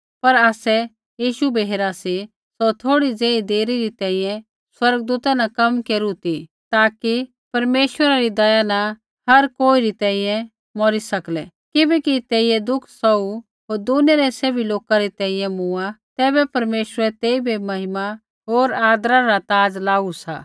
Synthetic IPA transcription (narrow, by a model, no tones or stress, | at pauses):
pɐɾaːsɛ | jiːʃubeɦeːɾasi | sot̪ʰoːɽid͡zẽːĩd̪eːɾiɾit̪ɛ̃ːĩjɛ̃ | swɐɾɡd̪uːt̪anakɐmkeːɾut̪i | t̪aːki | pɐɾmeːʃwəɾaɾid̪ɐjana | hɐɾkoːiɾit̪ɛ̃ːĩjɛ̃ | mɔɾisɐklɛ | kɪbɛkit̪eːɪjɛd̪ʊkʰsɔu | ɦoːɾd̪uneɾɛseːbiloːkaɾit̪ɛ̃ːĩjɛ̃mũat̪ɛːbɛpɐɾmeːʃəɾɛt̪eːibʱimɐɦɪma | ɦoːɾaːd̪ɾaɾat̪aːd͡zlaːusa̰ː